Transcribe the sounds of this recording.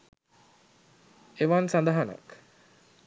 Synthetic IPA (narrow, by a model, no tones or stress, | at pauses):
eʋansand̪aɦana̰k